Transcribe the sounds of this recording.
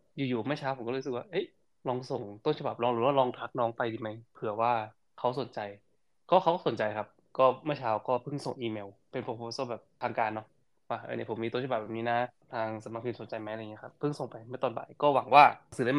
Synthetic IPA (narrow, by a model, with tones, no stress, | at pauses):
juː˨˩juː˨˩˦ma˥˩jt͡ɕʰaː˦˥wpʰo˩˦kɔː˥˩˥sk̚waː˥˩ʔɤ˦˥j | lɔː˧ŋso˨˩ŋt̪o˥˩nt͡ɕʰa˧ba˨˩p̚lɔː˧ŋɾɯː˩˦waː˥˩lɔː˧ŋt̪ʰa˧˦˥k̚nɔː˦˥ŋpa˧jdiː˧˩ma˦˥jpʰɯ˩˦ɐwaː˥˩ | kʰa˦˥wso˨˩˦nt͡ɕa˧j | kɔː˥˩kʰa˦˥wkɔː˥˩so˩˦t͡ɕa˧jkʰa˦˥p̚ | kɔː˥˩mɯ˥˩t͡ɕʰaː˧wkɔː˥˩pʰɯ˥˩ŋso˨˩ŋʔiː˧meː˧wpe˧npʰo˧pʰoː˧˦sɤː˥˩bɛː˨˩p̚t̪ʰaː˧ŋkaː˧nːɔ˦˥ | wa˧˩a̰ː˧˩ni˧˥˩o˩˦mːi˧t̪o˥˩˨t͡ɕ̚ʰbɛː˨˩pniː˦˥na˦˥t̪ʰaː˧ŋsa˧ma˧˥kʰi˧˩so˩˦nt͡ɕa˧jma˦˥jaː˧˨ŋi˦˥˧kʰa˦˥pʰːɯ˥˩ŋso˨˩ŋpa˧jma˥˩t̪ɔː˧˩nba̰˨˩˦jkɔː˥˩wa˩˦ŋwaː˥˩sɯː˨˩˦da˥˩m˧